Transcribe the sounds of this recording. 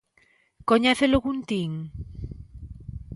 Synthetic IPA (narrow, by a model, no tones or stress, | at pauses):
koɲɛθeloɣunt̪iŋ